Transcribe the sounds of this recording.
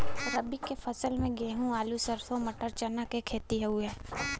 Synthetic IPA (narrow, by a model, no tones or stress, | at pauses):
ɾəbikːefʰɐsəlmẽɡeːɦũaːlusəɾsomɐʈəɾt͡ʃɐnakekʰeːt̪iɦɛuẽː